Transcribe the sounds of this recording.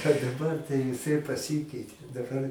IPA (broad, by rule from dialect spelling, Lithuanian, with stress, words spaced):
ɐ dɐˈbɐr tɐɪ ʋʲɪˈsɐɪ pɐˈsʲɪkʲɛɪtʲeː dɐˈbɐr